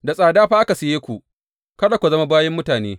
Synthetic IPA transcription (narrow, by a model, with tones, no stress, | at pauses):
da˨sʼaː˨daː˦ɸa˦ʔa˦ka˨sɪ˨jeː˦kʷu˨ʔ | kɐ˦da˨kʷu˨zɐ˦ma˦baː˦jɛ˦mːʊ˦taː˨nḛː˦